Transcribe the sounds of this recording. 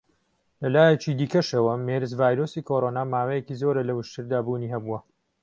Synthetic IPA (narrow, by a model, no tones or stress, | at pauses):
lɐlaːjɛt͡ʃiːd̪iːkɐʃɐwɐmeɾɨzvaːjɾoːsiːkʰoɾoːnaːmaːwejekiːzoɾɐlɐwɨʃt̪ʰɨɾd̪aːbuːniːɦɐbuwɐ